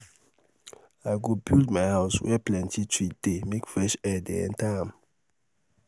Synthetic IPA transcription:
aɪɡobildmaɪhaʊswɛ̰plɛ̃ntʰitʰɹid̥emekfɹɛʃɛdɛ̰ɛ̰̃ntʰãm

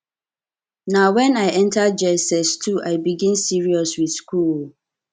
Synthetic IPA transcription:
nawɛ̃naɪʔɛ̃ntʰad͡ʒɛsɛstʰuʔaɪbiɡĩnsiɹiɔswiθskul

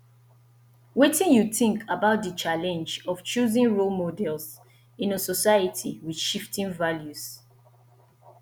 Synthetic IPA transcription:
wetĩnjuθĩŋkʰabaʊt̚dət͡ʃalɛ̃nd͡ʒɔft͡ʃuzĩnɹolmodɛls | ĩnəsɔsajatʰiwid̥ʃiftĩnvaljuz̥

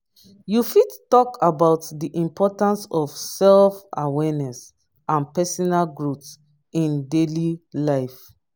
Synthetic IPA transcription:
jufidtːɔkʰabaʊtdiʔĩmpʰɔtãnsɔfsɛlfa̰wɛnɛs | ʔãnpɛsɔnalɡɹuts | ĩndelilaɪf

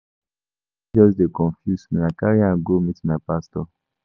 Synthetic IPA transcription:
d͡ʒɔsdekɔ̃ɱfjusmĩnakaɹiãnɡomitmaɪpastɔ

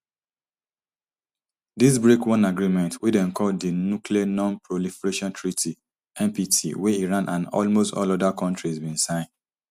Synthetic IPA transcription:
dis̬bɹekwɔ̃naɡɹimɛ̃ntʰwidɛ̃nkʰɔlddinuklianɔ̃npʰɹolifɛɹeʃɔ̃ntʰɹitʰi | ɛ̃mpitʰḭwɛiɹãnʔãnɔ̰lmostɔ̰lɔdakʰɔ̃ntɹizbĩnsãɪ̃n

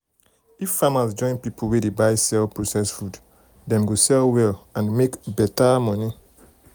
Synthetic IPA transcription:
ifːamasd͡ʒɔ̃ɪ̃npipʰulwedebaɪsɛlpɹosɛsfud | dɛ̃mɡosɛlwɛlãnmekbɛtamɔni

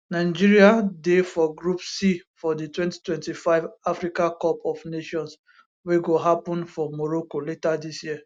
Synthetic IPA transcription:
naɪd͡ʒiɹiadefɔɡɹupsifɔditwɛ̃nti̥twɛ̃ntifaɪvafɾikãkɔpɔvneʃɔ̃ns | weɡoɦapɔ̃nfɔmɔɾokoletadisjiə

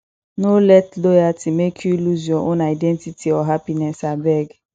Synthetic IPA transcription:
nolɛtlojatimekʰjuluziɔ̃ʔonaidɛ̃ntitʰiɔɦapinɛsabɛɡ

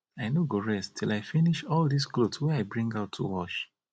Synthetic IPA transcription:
aɪnoɡoɹɛstʰilaɪfiniʃɔlˠdisklodswɛaɪbɹĩŋɡaʊtʰːṵwɔʃ

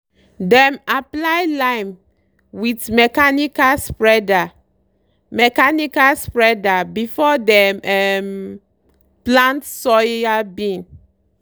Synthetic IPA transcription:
dɛ̃maplajlãɪ̃m | witmɛkanikaspɹɛda | mɛkanikaspɹɛdabifɔdɛmɛm | plãntsɔabĩn

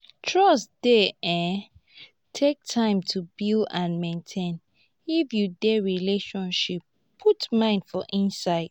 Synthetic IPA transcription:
tʰɹɔsd̥eɛ̃ | tʰek̚tʰãɪ̃mtʰubildãnmẽntʰẽn | ifjudɛɹileʃɔ̃nʃip | pʰːutmãɪ̃nd̥fɔʔĩnsaɪd̥̚

